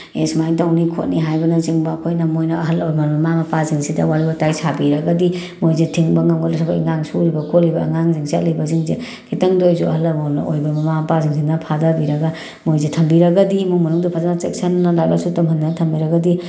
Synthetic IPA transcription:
esmajtawnikʰo̰t̚niɦajbɐnɐziŋbɐːkʰojnɐmojnɐɦɐlmɐmɐmamɐpaziŋsidɐwaɾibɐtajsʰabiɾɐɡɐdi | mojzetʰiŋbɐŋɐmɡɔɐsʰɐbaḭŋaŋsuɾibɐkʰolːibɐ̰ːŋaŋziŋsat̚lijbɐziŋze | kʰitɐŋdojzuɐɦɐlːɐɾmonɐ̰ʔojbɐmɐmamɐpaziŋsʰinɐpʰadabiɾɐɡa | mojzetʰɐmbiɾɐɡɐdimumɐnuŋdupʰazanat͡ʃek̚sɐnːɐlajba̰sutɐmhɐndantʰɐmbiɾɐɡɐdi

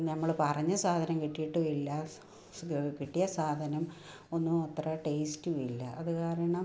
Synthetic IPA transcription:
nɐmːɐɭpɐrɐɲːɐsaːd̪ʱɐnɐmkiʈːijiʈːuilːɐ | kiʈːijɐsaːd̪ʱɐnɐm | o̞nːuot̪rɐʈeːstɨʋilːɐʔɐðukaːɾɐɐɳɐm

